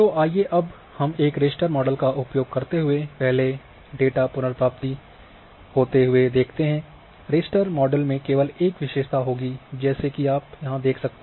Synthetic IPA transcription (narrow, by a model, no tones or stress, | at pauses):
t̪oːʔaːieʔɐb | hɐmeːkɾeːsʈəɾmɔːɖəlkaʔʊpjoːɡ̚kɐɾt̪eɦʊepɛɦle | ɖeːʈapʊnəɾpɾaːpt̪i | hoːt̪eɦʊed̪eːkʰt̪eɦɛ̃ː | ɾeːsʈəɾmɔːɖəlmẽkeːʋəleːkʋɪʃeːʃt̪ʰaɦoːɡid͡ʒɛːsekiaːpjɐɦãd̪eːkʰsɐk̚t̪e